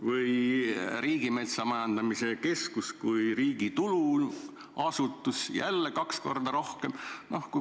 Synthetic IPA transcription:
vɯjɾiːɡ̥ime̞t̪sɑmɑjɑnd̪̥ɑmise̞ke̞skuskujriːɡ̥it̪ulu | ɑsut̪ːˑusjæ̰lːekɑksko̞̰rd̪̥ɑɾo̞hke̞mnohku

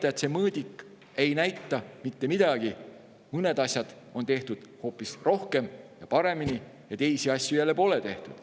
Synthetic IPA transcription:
t̪ːɑet̪se̞mɤːd̪̥ʲikˑː | e̞jnæjt̪ˑːɑmit̪ːe̞mid̪̥ɑɡ̥i | mɤne̞d̪ɑsʲjɑd̪̥ | o̞nt̪eht̪ud̪̥ho̞ːpːˑisro̞hke̞mjɑpɑɾe̞mini | jɑt̪e̞jsiɑsʲːjujælːepo̞ːlet̪e̞ht̪ud̪̥

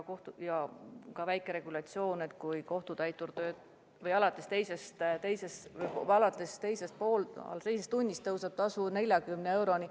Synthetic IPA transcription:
ko̞ht̪ujɑkɑvæjkːˑe̞ɾe̞ɡ̥ulɑt̪sio̞ːnet̪kujko̞ht̪ud̪̥æjt̪ːuɾd̪øːt̪ | vɤjɑlɑt̪ːˑest̪e̞jse̞st̪t̪e̞jse̞svjɑlɑt̪ːˑe̞st̪e̞jse̞st̪̚po̞ːlɑ̰lt̪e̞js̬est̪ːunʲːist̪ːɤwsɑb̥̚t̪ɑsune̞lʲjɑkymnee̞wɾo̞ni

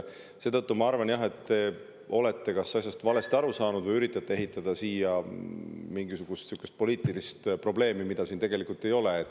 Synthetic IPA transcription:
se̞ːt̪ɤt̪ːumɑɑrvɑnjɑɦe̞t̪ːe̞ | o̞le̞t̪ːe̞kɑsɑsʲjɑst̪vɑle̞st̪ɑɾusɑːnud̪̥vɤjyɾit̪ːˑɑt̪ːe̞eɦit̪ːˑɑd̪̥ɑsiːjɑ | miŋɡisuɡ̥ust̪sukːˑest̪̚po̞liːt̪ːˑilist̪pro̞ble̞ːmimid̪̥ɑsiːnt̪e̞ɡe̞likult̪ːˑe̞jo̞leːt̪ː

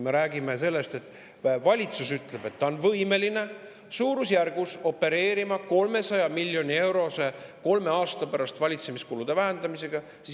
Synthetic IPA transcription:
me̞ɾæːɡimese̞lːe̞st̪e̞t̪ːˑ | evɑlʲit̪susyt̪ˑle̞b̥e̞t̪ːɑonvɤjme̞line̞ | suːɾusjærɡ̥uso̞pːe̞ɾe̞ːɾimɑko̞lme̞sɑjɑmilʲːjo̞nʲie̞wɾo̞se̞ko̞lme̞ɑːst̪ɑpæɾɑst̪vɑlʲit̪se̞miskulud̪̥e̞væɦænd̪̥ɑmise̞ɡ̥ɑ | si

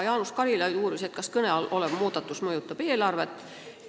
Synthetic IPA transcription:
jɑːnuskɑlʲilɑj̪uːɾise̞t̪kɑskɤneɑlʔo̞leb̥muːd̪̥ɑt̪ːˑusmɤjut̪ːˑɑb̥e̞ːlɑrve̞t̪ːˑ

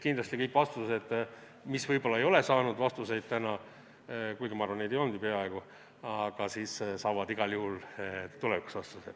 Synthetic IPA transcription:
kind̪lɑsʲt̪ikɤjkːˑvɑst̪used̪ | misvɤjbo̞lːɑejo̞le̞sɑːnud̪̥vɑst̪use̞jd̪̥̚t̪ænɑ | kujɡimɑrvɑned̪ejond̪ipe̞ɑe̞ɡ̥u | ɑɡ̥ɑsiːssɑːvɑd̪iɡ̥ɑljuhult̪uleviku̥svɑst̪use̥

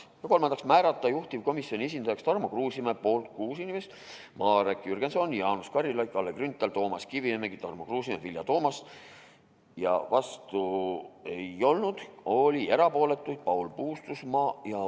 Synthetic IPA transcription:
jɑko̞lmɑnd̪ɑksmæːɾɑt̪ˑːɑjuht̪ivko̞misjo̞nʲie̞s̬ʲind̪ɑjɑkst̪ɑrmokruːsimepo̞ːlt̪kuːsinimest̪ | mɑːɾekjyrɡ̥e̞nso̞njɑːnuskɑɾilɑjkɑlːekrynt̪ːˑeɑlt̪o̞ːmɑskiviemeɡit̪ɑrmokruːsʲimevilʲjɑ̰t̪o̞ːmɑs | jɑ̰vɑst̪ue̞jo̞lnud̪̥o̞lʲie̞ɾɑpo̞ːle̞t̪ːˑujd̪̥̚pɑulpuːst̪usmɑːjɑ

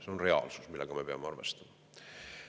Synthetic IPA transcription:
se̞o̞nre̞ɑ̰lsu̥smilːeɡ̥ɑme̞pe̞ɑmeɑɾve̞st̪ɑmɑ

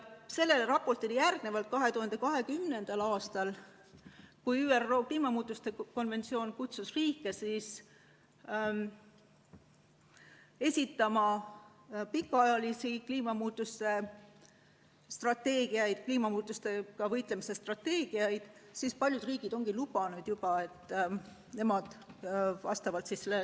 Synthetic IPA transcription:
se̞lːe̞lɾɑpːo̞rt̪ilijærɡ̥ne̞vɑlt̪̚kɑɦe̞t̪uhɑnd̪e̞kɑɦe̞kymne̞nd̪̥ɑlɑːst̪ɑl | kujyːero̞ːkliːmɑmuːt̪ːˑust̪e̞ko̞nve̞nt̪sio̞ːnkut̪susriːkːˑe̞sis | e̞sʲit̪ːˑɑmɑ | pikːɑɑjɑlisikliːmɑmuːt̪ːˑust̪e̞ | st̪rɑt̪ːe̞ːɡ̥iɑjd̪̥kliːmɑmuːt̪ːˑust̪e̞kɑvɤjt̪ˑle̞mise̞st̪rɑt̪ːe̞ːɡ̥iɑjd̪̥sispɑlʲjud̪riːɡ̥id̪o̞ŋɡ̥ilubɑnud̪̥jub̥ɑe̞t̪ːˑ | ne̞mɑd̪̥vɑ̰st̪ɑvɑlt̪sisselːe

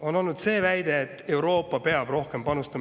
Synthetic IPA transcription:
o̞no̞lnud̪̥se̞ːvæjd̪̥e̞ːt̪ːe̞wɾo̞ːpːˑɑpe̞ɑb̥ro̞hke̞mpɑnust̪ɑ

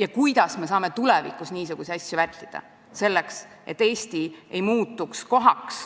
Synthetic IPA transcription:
jɑkujd̪̥ɑsme̞s̬ɑːme̞t̪ulɛvḭkusniːsuɡ̥usiɑsʲjuvæt̪ʲːid̪̥ɑ̰ | se̞lːeks | ʔe̞t̪ːe̞ːsʲt̪ie̞jmuːt̪ːˑuksko̞ɦɑks

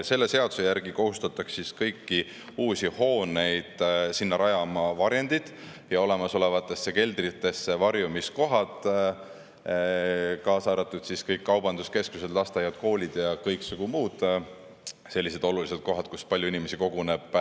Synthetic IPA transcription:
se̞lːe̞se̞ɑd̪̥u̥se̞jæɾɡ̥iko̞hust̪ɑt̪ːˑɑksiskɤjkːi | uːsʲiho̞ːne̞jd̪̥sinːɑɾɑjɑmɑvɑɾjend̪id̪̥ | jɑo̞le̞mɑso̞le̞vɑt̪ːˑe̞sːeke̞ld̪rit̪ːˑe̞sːevɑrjumisko̞ɦɑt̪ | kɑːsɑːɾɑt̪ːˑud̪̥siskɤjkːɑwb̥ɑnd̪uske̞skuse̞d̪̥lɑst̪ɑjɑd̪̥ko̞ːlʲid̪̥jɑkɤjksuɡ̥umuːd̪̥ | se̞lːise̞d̪o̞lulise̞d̪̥̚ko̞ɦɑd̪̥kuspɑlʲjuinime̞siko̞ɡ̥une̞b̥

